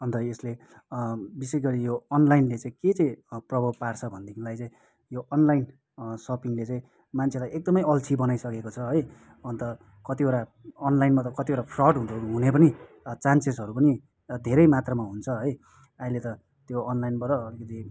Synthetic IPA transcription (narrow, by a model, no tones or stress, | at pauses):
ʌnt̪ʌesle | bisesɡʌɾijoʌnlajnlet͡saĩket͡saĩprʌbʱʌpart͡sʰʌbʱʌnd̪iklajt͡saĩ | joʔʌnlajn | sʌpiŋlet͡saĩ | mant͡sʰelajek̚d̪ʌmʌjʌlt͡sʰibʌnajsʌkekot͡sʰʌɦʌj | ʌnt̪ʌ | kʌt̪ioɾaʌnlajnmat̪ʌkʌt̪ioɾapʰrʌɖɦunoɾuɦunepʌni | t͡sansesʌɾupʌni | d̪ʱeɾʌjmat̪rʌmaɦunt͡sʰʌɦʌj | aɦĩlet̪ʌ | t̪joʌnlajnbʌɾʌʌɾikʌt̪i